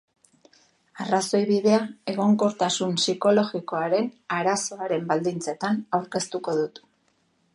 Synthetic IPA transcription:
araso̞jβiðe̞ae̞ɣ̞o̞ŋko̞ɾt̪asunsiko̞lo̞ɣiko̞aɾe̞naɾaso̞aɾe̞mbald̪int͡se̞t̪anawɾke̞st̪uko̞ðut̪

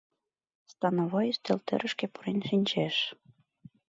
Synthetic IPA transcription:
st̪ɑnoβojst̪ĕlt̪ɘ̰̆ɾə̆ʃkepuɾenʃinʲt͡ɕeʃ

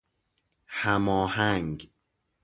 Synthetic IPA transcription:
hæmɒːhæŋɡ

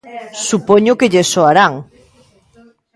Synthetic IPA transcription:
supoɲʊkeʎesoaɾaŋ

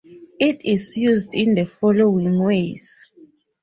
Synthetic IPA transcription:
itʰizjuzdĩnðəfɔlowĩŋwez

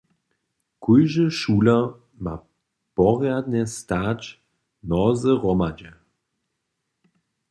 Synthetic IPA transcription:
kʰujʒəʃuːla | ma̰ | pɔʁjad̪nɛstaːt͡ʃ | nɔzəʁɔmad͡ʒɛ

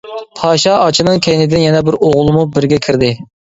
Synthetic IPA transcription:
pʰɑːʃɑɑt͡ʃʰinɨŋkʲʰɛjnɪd̪ɪnjɛnɛbɪɾoʁʊlˠɨmubɪɾɡʲɛkʲʰiɾd̪ɪ

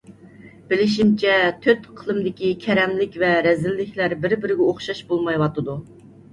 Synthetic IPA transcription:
b̥ɪlɪʃimt͡ʃʰɛt̪ʰøt̪qʰəlˠɨmd̪ɪkʲikʲʰɛɾɛmlɪkʲvɛɾɛzɪlːɪkʲʰlæɾbɪɾbɪɾɪɡʲɛoχʃɑʃbolˠmɑjwɑt̪ɨd̪u

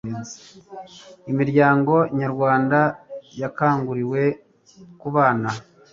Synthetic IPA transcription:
zi | imiɾɟaːŋɡo̞ɲaɾɡwaːndajakaːŋɡuɾiwe̞ | kuβaːna

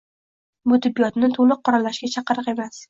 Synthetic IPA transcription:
mʊt̪ʰɪbːijɒt̪nɪt̪ʰolˠɨq̚ʰːɒɾalːaʃɡʲat͡ʃʰɑqɨɾɨqe̞mas

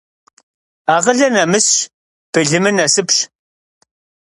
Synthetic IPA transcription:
aːʁəɮɐnɐmɨs | b̥ɨɮɨmɨnɐsɨpʃ

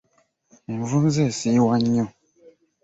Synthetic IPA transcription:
vumzɛsiwaɲɔ

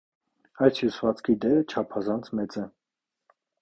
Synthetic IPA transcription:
ɑjsʰjusvɑt͡skʰid̪ɛɾət͡ʃʰɑpʰɑzɑnt͡sʰmɛt͡sɛ

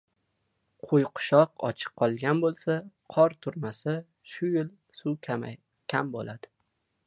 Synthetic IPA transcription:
qʰojqʰʊ̥ʃɒqɒ̰t͡ʃʰɨ̥qʰːɒlˠɡʲanbolˠsaqʰɒɾt̪ʰʊɾmasa | ʃʊjɪl | sʊ | kʲʰambo̰lad̪̥ɪ

